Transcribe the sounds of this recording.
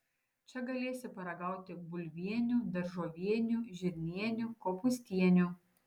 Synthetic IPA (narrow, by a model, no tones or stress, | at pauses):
t͡ʃʲɛɡɐlʲeːsʲɪpɐɾɐɡɐˑʊt̪ʲɪbʊlʲʋʲiɛnʲud̪ɐɾʒoːʋʲiɛnʲuʒʲɪɾʲnʲiɛnʲukoːpʊsʲt̪ʲiɛnʲu